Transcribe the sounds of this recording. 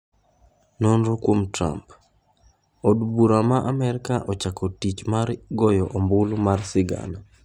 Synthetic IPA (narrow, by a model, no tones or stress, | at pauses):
nɔnɾokwomtɾa̰mp | odbuɾamaʔamɛɾɪkaʔɔt͡ʃakɔtit͡ʃmaɾɡɔjɔʔombʊlmarsɪɡa̰na